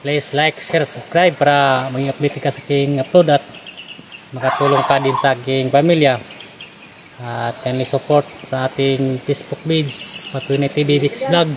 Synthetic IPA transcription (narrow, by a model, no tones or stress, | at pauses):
pleislajkʃɛrsubskɾajb̚paɾamaŋiapdit̪ikasakiŋaplodat̪̚ | makat̪uluŋkadinsakiŋpamilia | t̪ɛnlisɔpɔrt̪̚saːt̪iŋfesbuk̚bid͡ʒspat̪unat̪ibibiksblaɡ̚